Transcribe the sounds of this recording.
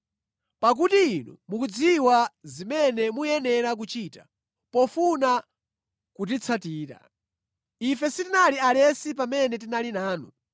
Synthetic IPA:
pak̬utiinṵmukud͡ziwazimɛnɛmujɛnɛɾak̬ut͡ʃita | pɔfuna | kut̬it͡sʰatiːɾa̰ | ifɛsitinalialɛsipamɛnɛt̬inalinaːnu

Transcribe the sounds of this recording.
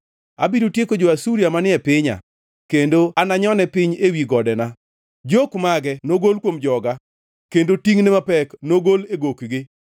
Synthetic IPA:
abiɾotjekod͡ʒoasuɾiamanɪɛpɪɲa̰ | kendoanaɲɔnɛpɪɲewiɡɔdɛna | d͡ʒokmaɡɛnoɡolkwomd͡ʒɔɡa | kendotiŋnɛmapɛknoɡoleɡokɡɪ

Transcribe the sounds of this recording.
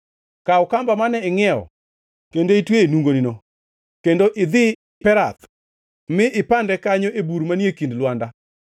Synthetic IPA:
kaʊkambamanɛɪŋɛɔ̰ | kendoitweenuŋɡonino | kendoʔɪd̪ɪ | pɛɾat̪ | mɪʔɪpandɛkaɲoʔebuɾmaniekindlwanda

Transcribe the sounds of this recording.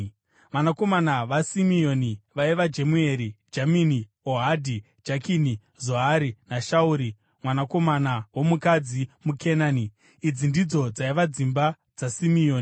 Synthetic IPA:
ʋanako̞manaʋasimio̞niʋaiʋad͡ʒe̞mue̞ɾid͡ʒamini | oɦadʱi | d͡ʒakini | zoɦaɾinaʃauɾi | mwanako̞manawo̞mukad͡zimukʰenaːni | id͡zindid͡zo̞d͡zaiʋad͡zimba | d͡zasimioːni

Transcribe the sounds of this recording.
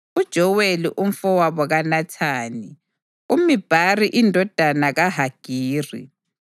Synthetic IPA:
ud̥ʒ̥ʱɔweliʔum̩fɔwaβɔɣanatʰaːni | umib̥ʱariʔindʱɔd̥ʱanaɣaɦaɡ̥ʱiːrḭ

